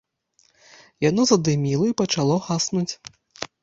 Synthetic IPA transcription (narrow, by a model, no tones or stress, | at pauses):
janɔzɐd̪ɨmʲilˠɐipɐt͡ʂalˠɔxasnut͡sʲ